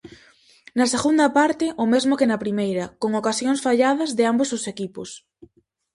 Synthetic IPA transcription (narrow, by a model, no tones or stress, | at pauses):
nɐseɣund̪ɐpaɾt̪ɪʔʊmezmʊkenɐpɾimejɾɐkoŋokasjoŋsfaʎað̞ɐzðɪambozðʊsekipʊs